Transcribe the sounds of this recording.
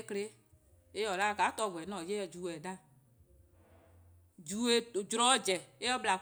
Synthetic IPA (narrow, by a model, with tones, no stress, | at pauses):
kle˦ | e˦jɔ˨la˦˨ka˨˦t̪ɔ˦˨vɔ˨ɛ˨nɔ̃˨je˦ɛ˨d͡ʒu˨ɛ˨da˦ | d͡ʒu˨e˦˨d͡ʒɾɔ˦d͡ʒɛ˨e˦ɔ˦bla˨